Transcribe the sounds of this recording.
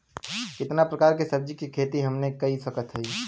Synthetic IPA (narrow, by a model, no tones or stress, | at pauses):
kɪt̪napɾəkaːɾkesəb̚d͡ʒikikʰeːt̪iɦəmnekɐɦisəkət̪ɦəi